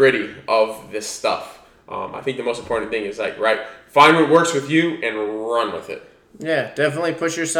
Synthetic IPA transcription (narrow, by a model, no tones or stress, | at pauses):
ɹɪɾiʔʌvðɪstʌ̰f | ʔʌ̰̃ma̰ɪθɪ̃ŋk̚ðɨmoʊstm̩pʰɔɹʔn̩θɪ̃ŋɨzlaɪkɹaɪt̚fãɪ̃nwʌt̚wɜ˞kswɨðjʉɨ̃nɹʌ̃nwɪ̰ðɪ̰t̚ | jæd̥ɛfənətˡlipʰʊʃə˞s